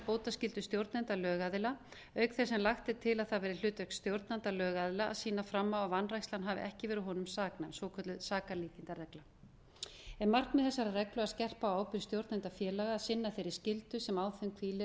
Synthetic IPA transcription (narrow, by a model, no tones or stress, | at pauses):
poːwt̪ascɪlt̪ʏst̪jowɾt̪nɛnt̪alœːɣaðɪla | œɥkθɛsɛmlaxt̪ɪt̪ʰɪlaðθaðvɛːɾɪl̥ʏːt̪œk̪st̪jowɾt̪nant̪alœːɣaðɪla̰ːðsiːnafɾamːawavanrajstlanɦaːvɪ̰ʔɛhcɪvɛːɾʏɦɔnʏmsaːknaɛmsvoːwkʰœt̪lʏsaːkaliːcɪnt̪arɛkla | ɛnmar̥knmɛðθɛsːaɾarɛklʏaðscɛr̥pawaːwpɪɾst̪jowɾt̪nɛnt̪afjɛːlaɣaːðsɪnːaθejɾɪ̥scɪlt̪ʏsɛmaːwθɛmkʰviːlɪ